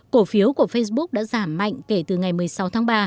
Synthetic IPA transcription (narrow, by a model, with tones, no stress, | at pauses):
ko˨˧˩fi˨˦əwku˧˩əfə˧js̬ɓʊ˦˥k͡p̚ɗa̰ː˧˥zaː˧˩mːa̰˧˨jŋ̟ke˧˩t̪ɨ˨˩ŋa˨˩jmɨ˨˩əjsa˨˦wt̪ʰaː˨˦ŋɓaː˧